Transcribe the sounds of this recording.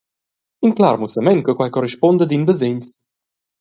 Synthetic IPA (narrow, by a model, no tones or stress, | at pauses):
inklaɾmusamɛnkɔkwajkɔriʃpɔnd̪əd̪inbəzeɲs